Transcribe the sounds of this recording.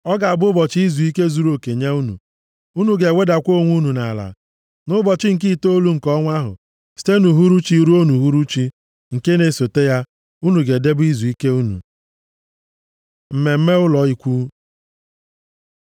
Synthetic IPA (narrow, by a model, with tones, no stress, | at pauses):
ɔ˦ɡa˨a˨bʊ˦bɔ˨t͡ʃi˦i˦zu˨i˦ke˦zu˨ɾo˨ke˨ɲe˦u˦nṵ˨ | u˦nu˨ɡe˨we˦da˨kʷo˦˨ŋʷu˦nu˨na˨la̰˨ | nʊ˦bɔ˨t͡ʃɪ˦ŋ̩˨k̬i˦˨to˦lu˦ŋ̩˨kɔ˦ŋʷa˦ɦʊ̰˨ | si̥˦te˦nu˨ɦu˦ɾu˦t͡ʃi˦ɾu˦o˦nu˨ɦu˦ɾu˦t͡ʃi˦ | ŋ̩˨ke˦ne˨so˨te˦ja˦ | u˦nu˨ɡe˨de˦bi˦zu˨i˦ke˦u˦nṵ˨ | m̩˨me˨m̩˦me˦ʊ˦lɔ˨i˦kʷu˦